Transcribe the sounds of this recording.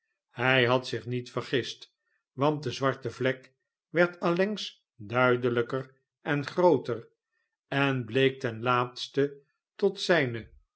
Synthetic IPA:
hɛjɦɑtsɪχnitfəɹχɪst | ʋɑnt̚dəzʋɑɹtəvlɛk | ʋɛɹtɑlɛŋs | dœɥdələkər | ɛnχrowtər | ɛnblejk̚tɛnlaːtstə | tɔtsɛjnə

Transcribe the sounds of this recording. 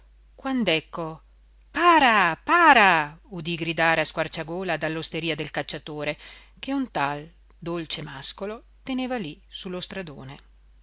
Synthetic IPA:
kwand̪ɛkːo | paːɾapaːɾaud̪iɡɾid̪aːɾeaskwart͡ʃaɡoːlad̪alːost̪eɾiːad̪elkat͡ʃːat̪oːɾe | keunt̪al | d̪olt͡ʃemaskolo | t̪eneːvalisulːost̪ɾad̪oːne

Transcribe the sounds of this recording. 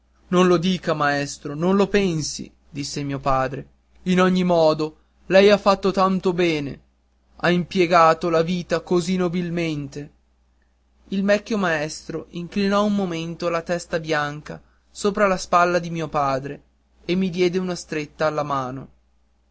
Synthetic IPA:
nonlod̪iːkamaɛst̪ɾononlopɛnsḭ | d̪isːemiːopaːd̪ɾe | inɔɲːimɔːd̪o | lɛjafːat̪ːot̪ant̪obɛːnḛ | aimpjeɡaːt̪olaviːt̪akozinobilment̪e | ilmɛkːjomaɛst̪ɾoʔiŋklinɔummːoment̪olat̪ɛst̪abjaŋka̰ | soːpɾalaspalːad̪imiːopaːd̪ɾe | emːid̪jɛːd̪eunast̪ɾet̪ːaːlːamaːno

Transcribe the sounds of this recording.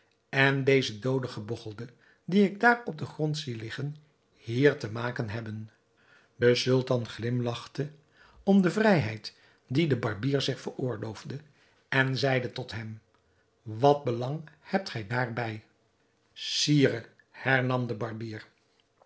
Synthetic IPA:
ɛndejzədowdəχəbɔχəlˠdə | diɪɡ̚daːrɔb̚dəχrɔntsilɪχən | hiːɹtəmaːkənɦɛbən | dəsɵlˠtɑnχlɪmlɑχtə | ɔmdəvrɛjɦɛjt | didəbɑɹbiːɹzɪχfəɹʊːɹlowvdə | ɛnzɛjdətɔtɦɛm | ʋɑt̚bəlɑŋhɛp̚tχɛjdaːɹbɛj | siːrə | hɛɹnɑmdəbɑɹbiːɹ

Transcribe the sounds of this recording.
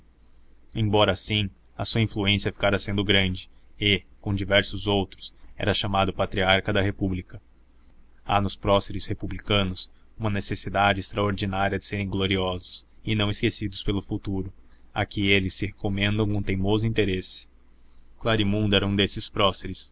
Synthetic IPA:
ẽbɔɾɐːsĩ | ɐsuɐĩfluẽsiɐfi̥kaɾɐsẽnd̪ʊɡɾɐ̃nd͡ʒɪekõd͡ʒivɛɾsʊzowt̪ɾʊsɛ̰ɾɐʃamad̪ʊpat̪ɾiaɾkɐd̪ɐɦepublikɐ | a̰nʊspɾɔseɾɪshepublikɐ̃nʊs | ũmɐnesesid̪ad͡ʒɪːst̪ɾɐoɾd͡ʒinaɾiɐd͡ʒɪseɾẽj̃ɡloɾiɔzʊsɪnɐ̃w̃ɪskesid̪ʊspelʊfut̪uɾʊa̰kɪelɪsːɪhekomẽnd̪ɐ̃w̃kõt̪ẽmozʊĩnt̪eɾesɪ̥ | klaɾimũnd̪ʊɛɾɐũd̪esɪspɾɔseɾɪs

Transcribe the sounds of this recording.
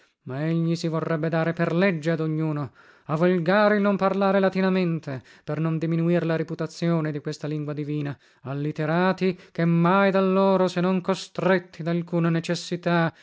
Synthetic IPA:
maeʎːisivorːɛbːed̪aːɾeperlɛd͡ʒːead̪oɲːuːno | avolɡaːɾeilnomparlaːɾelat̪inament̪ʰe | pernond̪iminuiɾelaɾiput̪at̪sːjoːned̪ikwest̪aliŋɡwad̪iviːna | alːit̪eɾaːt̪ikemːajd̪alːoːɾosenːoŋkost̪ɾet̪ʰːid̪alkuːnanet͡ʃesːit̪a

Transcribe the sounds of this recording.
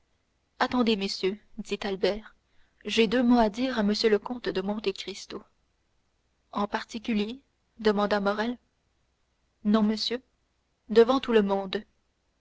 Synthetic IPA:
at̪ɑ̃d̪eməsjød̪it̪albɛːʁ | ʒed̪ømoad̪iːʁaməsjøləkɔ̃t̪d̪əmɔ̃t̪ekχist̪o | ɑ̃paʁt̪ikʲylje | d̪əmɑ̃d̪amɔʁɛl | nɔ̃məsjø | d̪əvɑ̃t̪uləmɔ̃d̪

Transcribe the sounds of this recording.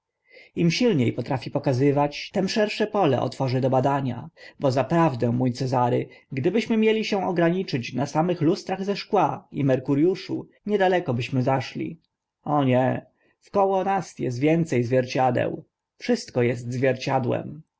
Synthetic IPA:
imɕilɲejpɔt̪ɾafʲipɔkazɘvat͡ɕt̪ɛmʂɛɾʂɛpɔlɛ̰ʔɔ̰t̪fɔʐɘd̪ɔbad̪aɲa̰bɔzapɾavd̪ɛ̃mujt̪sɛzaɾɘ̰ɡd̪ɘbɘɕmɘmʲjɛlʲiɕɛ̃ɔɡɾaɲit͡ʂɘt͡ɕnasamɘxlust̪ɾaɣzɛʂkwaimɛɾkuɾjuʂṵ | ɲɛd̪alɛkɔbɘɕmɘzaʂlʲḭ | ɔɲɛ | fkɔwɔnasjɛ̰st̪vʲjɛnt̪sɛjzvʲjɛɾt͡ɕad̪ɛ̰w | fʂɘst̪kɔjɛst̪zvʲjɛɾt͡ɕad̪wɛ̰m

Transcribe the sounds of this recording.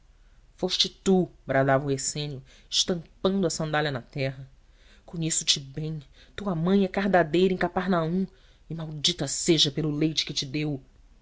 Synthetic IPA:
foʃt͡ʃɪt̪ubɾad̪avɐʊhesẽnjʊ | ɪʃt̪ɐ̃mpɐ̃nd̪ʊɐsɐ̃nd̪alʲɐnɐt̪ɛɦɐ | kõɲesʊ̥t͡ʃɪbẽj̃t̪uɐmɐ̃j̃ɛkaɾd̪ad̪ejɾɐẽkapaɾnaũ | ɪmawd͡ʒit̪ɐseʒɐpelʊlejt͡ʃɪ̥kɪt͡ʃɪd̪ew

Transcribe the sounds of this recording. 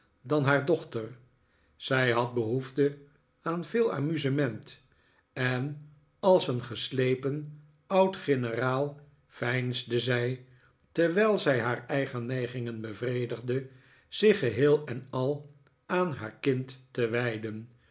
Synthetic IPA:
dɑnɦaːɹdɔχtər | z̥ɛjɦɑt̚bəɦuvdə | aːnvɪːlˠa̰ːmyzəmɛnt | ɛn | ɑlˠsənχəslejpən | ʌwtχɪnəraːlˠ | fɛjnzdəzɛj | tɛɹʋɛjlˠzɛjɦaːɹɛjχənːɛjχɪŋənbəvrejdəχdə | z̥ɪχəɦɪːlˠɛnɑlˠ | aːnɦaːɹkɪntːəʋɛjdən

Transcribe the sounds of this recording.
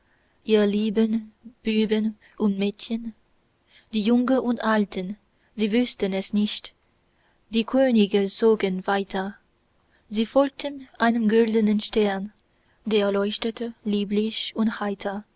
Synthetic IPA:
ʔiːʁəliːbənb̥yːbən | ʔʊntmeːtçən | d̥iːjʊŋəʔʊntʔaltʰən | ziːvʏstənɛsnɪçt | d̥iːkʰøːnɪɡət͡soːɡənvaɪtʰɐ | ziːfɔlk̚tʰənʔaɪnənɡʏldənənʃtɛɐn | deːɐlɔɪçtətəliːblɪçʊnthaɪtʰɐ

